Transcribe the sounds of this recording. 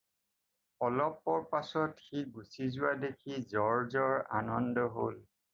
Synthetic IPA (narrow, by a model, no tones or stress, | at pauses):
ɔlɔp̚ːɔɹpasɔtxiɡusizʊwadekʰizɔɹzɔɹa̰nɔndɔɦol